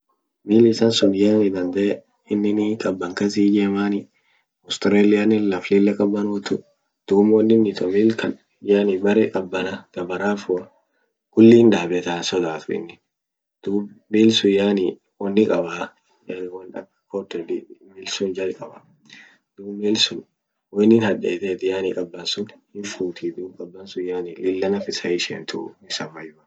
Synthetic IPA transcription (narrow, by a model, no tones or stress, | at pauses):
miːlɪsɐnsɔnjaːnɪd̪ɐnd̪ɐɛ | ɪnːɪnikʼɐbːɐŋkɐs̬iːd͡ʒeːmaːnɪ | ɔst̪ɾeːlɪjanɪlɐflɪlːɛkʼɐbːɐnwɔt̪ʊ | d̪̥uːmwɔnːɪnːɪt̪ɔmiːlkʰɐ | jaːnɪbɐɾɛkʼɐbːɐnɐɡ̥ɐbɐɾaːfʊɐ | kʊlːiːnd̪aːbɛt̪asɔd̪aːt̪ʊɪ̰nːɪ | d̪̥uːmiːlsʊjaːni | wɔnːɪkʼɐba | wɐnɐ | kɔt̪ːɛd̪miːlsʊnd͡ʒɐlkʼɐba | d̪̥uːiːlsʊn | wɔnɪnhɐᶑɛ̰ːt̪eːt̪ɪjaːnɪkʼɐbːɐnsʊnhɪfuːt̪ʰid̪uːbkʼɐbːɐnsʊjaːnɪlɪlːɐnɐfɪsɐɪʃḛːnt̪ʰʊ̰nɪsɐmːɐjʊɐ